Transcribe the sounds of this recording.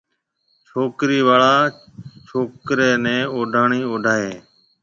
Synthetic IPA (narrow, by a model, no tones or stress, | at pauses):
t͡ʃʰoːkɾiːʋaːɭaː | t͡ʃʰoːkɾeːnɛ̃ːoːɖʱaːɳiːoːɖʱaːɦeː